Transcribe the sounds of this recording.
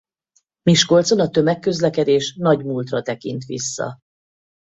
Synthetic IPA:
miʃko̞lt̪so̞nɒt̪ø̞mɛkːø̞zlɛkɛd̪eːʃnɒɟmuːlt̪rɒt̪ɛkint̪ʋḭsːɒ̰

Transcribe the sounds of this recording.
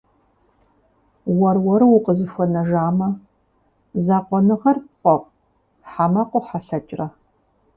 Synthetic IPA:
wɐrwɐɾɨwʊqəzɨfʷɔnɐʒaːmɐ | zaːqʷɔnɨʁɐrp̚qʷʼɔqʷʼ | ħamɐqʷʼʊħaɬɐt͡ʃʼrɐ

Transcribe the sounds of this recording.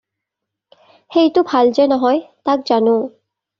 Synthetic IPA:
hejtʊbʱald͡ʑenɔɦɔjt̪ak̚d͡ʑano

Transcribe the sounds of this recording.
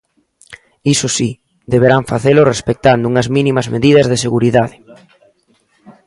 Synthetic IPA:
isosi | d̪eβ̞eɾaɱfaθelʊrespek̚t̪and̪ʊuŋɐzmĩnimɐzmeðiðɐzðeseɣuɾiðaðe

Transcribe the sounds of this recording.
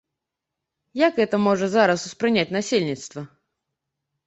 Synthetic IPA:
jakɛt̪əmoʐɨzaɾasʊspɾɨnʲat̚ʲnɐsʲilʲnʲɪt̪st̪və

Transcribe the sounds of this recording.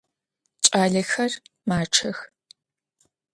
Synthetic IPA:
t͡ʃʼaːɮɐxɐrmaːʈ͡ʂʰɐx

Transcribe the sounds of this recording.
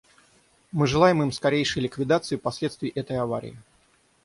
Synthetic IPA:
mɨʐɨlˠajɪmɨmskɐɾʲejʂɨjlʲɪkvʲɪd̪at̪sɨɪpɐsʲlʲe̞t̪st̪vʲɪːʔɛt̪əjɐvaɾʲɪ̰ɪ

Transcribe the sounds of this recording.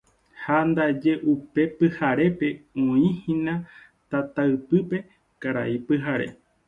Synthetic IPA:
hand̪ad͡ʒe̞ʔupe̞pɨhaɾe̞pe̞õĩhĩnã | t̪at̪aɨpɨpe̞ | kaɾa̰ipɨɦaɾe̞̰

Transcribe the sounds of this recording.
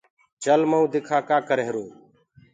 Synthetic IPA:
t͡ʃəlməũːd̪ɪkʰaːkaːkəɾeɦɾũː

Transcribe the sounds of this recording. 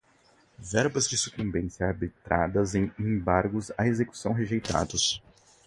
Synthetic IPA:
vɛɾbɐzd͡ʒɪsukũmbẽsjɐaɾbit̪ɾʔa̰d̪ɐzẽj̃ẽbaɾɡʊzaezeku̥sɐ̃w̃ɦeʒejt̪a̰d̪ʊs

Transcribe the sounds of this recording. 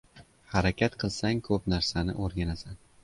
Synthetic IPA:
haɾakʲʰat̪qʰɨlˠsaŋkʰɵpnaɾsanɪ̰ʔoɾɡʲanasan

